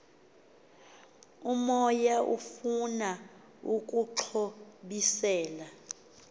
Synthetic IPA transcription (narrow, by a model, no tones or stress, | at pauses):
umɔjaʔufuna | uk̬ʼuǁʰoɓisɛːla